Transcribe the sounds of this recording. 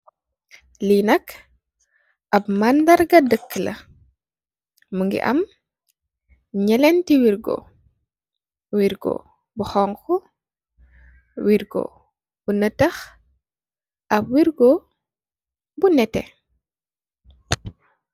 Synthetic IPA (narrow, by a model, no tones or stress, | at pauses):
linɐk | ɐpmɐndɐɾɡɐdəkːəlɐ̰ | muŋɡḭʔɐ̰m | ɲɛlɛntiwiɾɡo̰ | wiɾɡo̰ | buxɔŋkɔ | wiɾɡo̰ | b̥unətɐx | ʔɐp̚wiɾɡɔ | bunɛtɛ̰